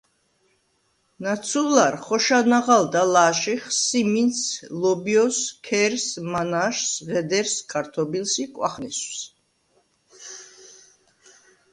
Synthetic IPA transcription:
nat̪sʰulaɾχɔʃanaʁald̪alaʃiχsiminslɔbiɔskʰɛɾsmanaʃsʁɛd̪ɛɾskʰaɾt̪ʰɔbilsikʼwa̰χniss

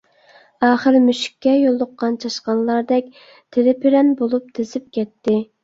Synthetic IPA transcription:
ɑːχəɾmyʃɪ̥kʲːɛjolˠːʊqːɑnt͡ʃʰɑʃqɑnlˠɑɾd̪ɛkʲ | t̪ʰeɾɪpʰɪɾɛnbolˠup̚t̪ʰɪzɪp̚kʲɛt̪ːɪ

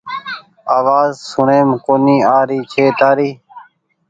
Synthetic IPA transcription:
aːʋaːzsʊɳẽːmkoːniːaːɾiːt͡ʃʰeːt̪aːɾiː

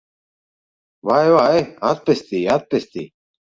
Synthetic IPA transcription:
waːjwaːeat̪̚pest̪iːat̪̚pest̪ḭ

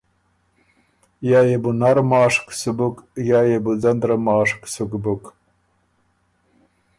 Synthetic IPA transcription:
jajebunaɾmɑːʂksubukjaːjebud͡zɐnd̪ɾamɑːʂksukbuk

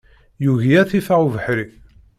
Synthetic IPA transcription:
juʝiæθifaʁuvəħɾi

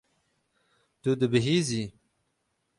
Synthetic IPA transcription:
t̪ud̪əbiɦizi

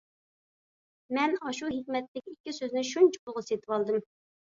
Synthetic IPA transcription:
mɛnɑʃuɦɪkʲmɛt̪lɪkʲikʲːisøznɪʃunt͡ʃʰi̥pulˠʁəset̪ʰɪwɑlˠd̪ɨm

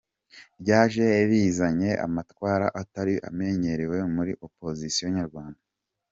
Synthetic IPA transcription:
bɟaːʒe̞ːβiːzaɲe̞ʔa̰matwaːɾa̰ʔataɾiʔa̰me̞ɲe̞ɾewe̞muɾiʔo̞po̞zisijoɲaɾɡwaːnda

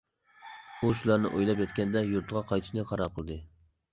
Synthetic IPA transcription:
uʃulˠɑɾnɪ̰ʔojlˠɑpjɑt̪̚kʲɛnd̪ɛjuɾt̪ʁɑqʰɑjt̪ʰɪ̥ʃnɨqʰɑɾɑɾqʰəlˠɨd̪ɨ

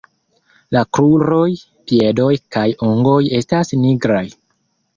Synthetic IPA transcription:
lakɾuɾo̞j | pie̞do̞jkajoŋɡo̞je̞stasniɡɾaj

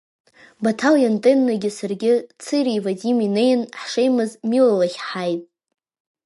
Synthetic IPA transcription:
batʰaljantʼenːaɡʲɪsɨrɡʲɪt͡sʰɨɾivadʲimine̞jnħʂejmɨzmilalaχʲħajtʼ

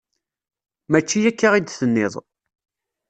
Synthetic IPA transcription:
mæt͡ʃːijækːaʁid̪θənːɪðˤ

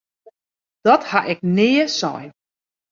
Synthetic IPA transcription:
d̥ɔthaʔɛk̚nɪːəsɔ̰j

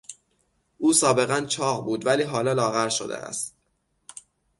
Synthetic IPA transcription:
ʔuːsɒːbe̞ɣænt͡ʃʰɒːɣbuːd̪væliːɦɒːlɒːlɒːɣæɾʃo̰d̪ḛʔæ̰st̪

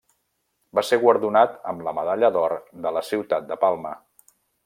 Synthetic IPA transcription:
baseɣwəɾðunat̪ə̰mləməðaʎəðɔɾd̪ələsiwt̪at̪̚d̪əpalˠmə

